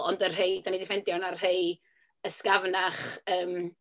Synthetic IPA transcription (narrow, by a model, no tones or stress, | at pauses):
ɔndərɦeɨdanidɪfɛndjɔnarɦeɨ | əskavnaχəːm